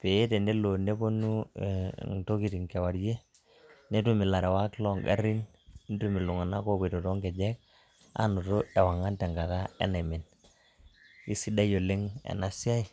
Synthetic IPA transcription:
pe˨e˦te˨ne˦lo˨ne˦bo˦nu˦ | ŋto˦ki˨ti˨ŋkɛ˨wa˨ɾje˦ | ne˦tu˦mɪ˨la˨ɾɛ˨wa˦klɔ˦ŋḛ˦ɾi˦n | ne˦tumi˨lu˨ŋa˨na˦ko˦be˨to˨tɔ˦ŋɡɛ˨d͡ʒɛ˦k̚ | a̰˦no˨to˦ɛ˨wa˨ŋa˦ntɛ˨ŋɡa˨ka˦ɛ̰˦ne˨mi˨n | i˦si˦da˦jo˨le˦ŋɛ̰˨na˦si˦a˦i˨

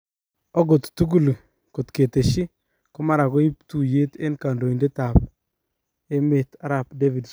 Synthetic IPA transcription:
ɔ˦ɡo˨t̪tu˦ɡu˦˨l | ko˨tke˨te˨ʃi˦ | kɔ˦ma˦ɾa˨ko˦i˦pt̪u˨je˦te˦nka˨ndo˨i˨nde˦ta˨p̚ | e˦me˨ta˦ɾa˨pde˦vi˨ds

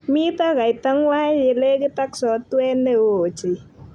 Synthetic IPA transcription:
mi˦t̪a˦ka˨jt̪a˦ŋwa˦je˨le˦kɪ˦t̪a˦ksɔ˨˦t̪wɛ˦nde˦wo˨t͡ʃi˨

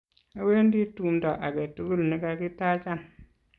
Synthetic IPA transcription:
a˨we˦n˦di˦tu˦˨mda˨ʔa˨ɡe˨tu˦ɡu˦lni˦ɡa˦˨ɡi˦ta˦t͡ʃa˦˨n

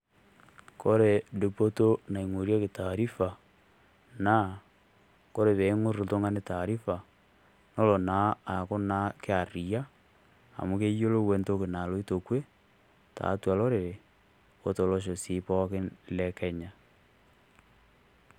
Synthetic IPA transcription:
ko˦ɾe˨de˨po˦to˦na˨i˨ŋo˨ɾja˦ke˨ta˨ɾi˦fa˨ | na˦ | ko˦ɾe˨βe˨˦ŋo˦ɾo˨to˦ŋa˦ne˦ta˨ɾi˦fa˨ | no˦lo˨na˨˦a˨ko˦na˦ke˦a˨ɾi˨a˦ | a̰˨mu˦ke˦jo˦lo˦we˦nto˦ke˨na˨lo˨˦i˦to˨kwe˦ | ta̰˨˦tu˦a˨lo˦ɾe˨ɾe˨ | o˨to˨lo˦ʃ̬o˨si˦pɔ˦ke˦le˦ke˦ɲa˨

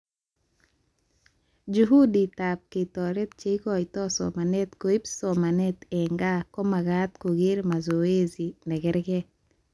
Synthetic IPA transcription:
d͡ʒuɦu˦di˨ta˨p̚ke˨tɔɾe˦t̪̚t͡ʃe˦i˦kɔjt̪ɔ˦sɔ̰ma˨ne˦t̪ko˨i˦psoma˨ne˦t̪eŋɡa˦ko˦ma˨ɡat̪ko˨ɡɪ˦ɾma˨zo˨we˦zi˨nɛ˨ɡɪ˦ɾɡɛ˦

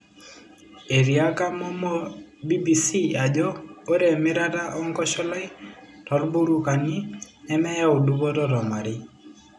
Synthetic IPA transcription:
e˨ɾi˨a˦ka˦mɔ˦mɔ˦bi˦bi˨si˦a˨d͡ʒɔ˦o˦ɾɛ˨mɪ˦ɾa˦ta˦ʔɔ˦ŋkɔ˦ʃɔ˦lɔ˦ɪ˦tɔ˨lbu˦ɾu˦ka˨ni˦ | ɛ˦mɛ˦ja˦u˨du˦bɔ˦ɾɔ˦ɾɔ˨ma˨ɾɪ˦

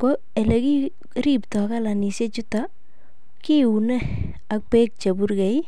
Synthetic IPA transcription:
ko˦ | e˨le˨ki˦ | ɾi˦ptɔ˨ka˦la˨ni˨se˦t͡ʃu˦ta | ki˦u˨ne˦ | a˨k̚pe˦k̚t͡ʃe˨bu˦ɾke˨j

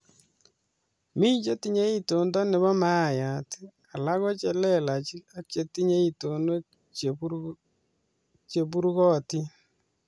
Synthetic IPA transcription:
miː˦ɲt͡ʃe˦ti˦ɲe˦i˦to˨ndɔ˦nɪ˨βɔ˦ma˦˨ja˨ti̥˦ | a˨la˦ɣɔ˦t͡ʃe˨lɛ˦˨la˨t͡ʃi˦a˦t͡ʃe˨ti˦ɲe˦i˦to˨no˦ | t͡ʃ | t͡ʃe˨pu˦ɾɣɔ˦ti˦

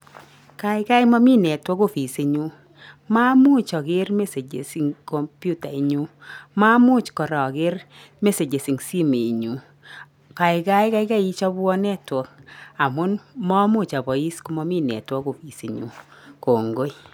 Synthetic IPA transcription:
ka˦ɪ˦ka˦jmɔ˦mi˦nɛ˨twɔ˦ko˦fi˨si˦ɲu˦ | ma˦mʊ˦t͡ʃɔ˨kɪ˦rme˦se˨d͡ʒḛ˨si˨ŋko˨mpju˦ta˨i˨ɲu˦ma˦mʊ˦t͡ʃkɔ˨ɾɔ˨kɪ˦rme˦se˨d͡ʒe˨si˨ŋsi˦me˨ɲu˦ | ka˨ɪ˨ka˦jka˦ɪka˦i˦t͡ʃɔ˦bɔ˦nɛ˦twɔ˦ka˨mʊ˦nmɔ˦mʊ˦t͡ʃa˨bɔ˨i˦sku˦mɔ˦mi˦˨nɛ̰˨twɔ˦ko˨fi˨si˨ɲṵ˦ko˨ŋɡo˦j

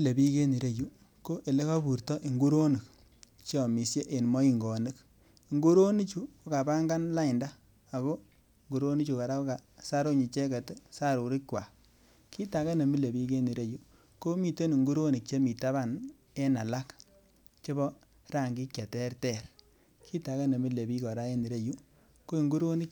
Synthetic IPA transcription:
mi˦le˨bi˦ke˦ni˨ɾe˦ju˦ | ko˦ʔe˨le˦ka˦bu˨ɾtɔ˦ʔi˨ŋɡu˦ɾo˦ni˨k | t͡ʃɔ˨mi˨sje˦ʔe˨nmɔ˦i˦ŋɡɔ˨ni˦k | i˨ŋɡu˦ɾo˦ni˦t͡ʃu˦o˦ka˨pa˦ŋɡa˦nla˦ɪ˨ndaː˦˨ | ɣo˦˨ | ŋɡu˨ɾo˦ni˦t͡ʃu˨ka˨ɾa˦ko˦ka˨sa˦ɾo˦ɲi˨t͡ʃe˦ka˨tsa˦ɾo˨ɾi˦kwa˨ | kʰi˦ta˨˦ka˦ne˨mi˦le˨bi˦ke˦ni˨ɾe˦ju˦ | ko˦mi˨te˦ni˨ŋɡu˦ɾo˦ni˨k̚t͡ʃe˦mi˨ta˦βa˦˨n | e˦na˨la˦k | t͡ʃe˦bɔ˦ | ɾa˦˨ŋɡi˦kʲja˨tɛ˦rtɛ˦˨ɾ | kʰi˦ta˨ka˦ne˨mi˦le˨bi˦kɔ˨ɾa˦e˦ni˨ɾe˦ju˦ | ko˦i˦˨ŋɡu˦ɾo˦ni˦k

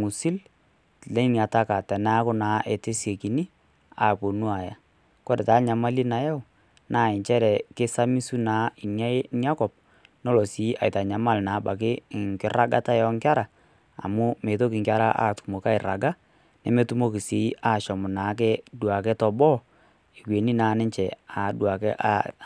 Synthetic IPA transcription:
mu˨si˦l | lɛ˦nja˨ta˦ka˨tɛ˨na˦kʊ˦naː˨˦ʔe˨te˦se˨ki˨ni˦ | a˨po˨nu˦a˨ja˨ | kɔ˦ɾɛ˨taː˨˦ɲa˨ma˦li˦na˨jɛ˦ʊ˨ | naː˨ɪ˨ɲt͡ʃɛ˦ɾɛ˨kɪ˦sa˦mi˦su˦naː˨˦ɪ˨nja˦ɪ˦nja˦kɔ˨p̚ | nɔ˦lɔ˨si˨˦ʔa̰˨jta˨ɲa˨ma˦˨lnaː˨˦ba˨k̬ɪ˦˨ŋkɪ˦ra˦ɡa˦ta˦jɔ˦ŋka˦ɾa̰ː˨ | mu˦me˨t̬o˦k̬ɪ˨ŋkʲa˦ɾa˦ʔa̰˦˨tu̥˨mo˨ka˦ɪ˨ɾa˨ɡa˦ | nɛ˨me˦tu˦mo˦kɪ˨si˨˦a˦˨ʃɔ˨mʊ˨naː˨˦k̬ɛ˦dwa˨kɛ˦tɔ˨bɔ˦ | e˨kwe˨ni˦naː˨˦nɪ˦ɲt͡ʃɛ˨a˨dwa˨kɛ˦ʔa̰˦

